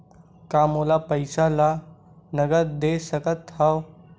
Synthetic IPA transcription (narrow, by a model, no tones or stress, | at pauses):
kaːmoːlapəjsala | nəɡəɾd̪eːsəkət̪haʋ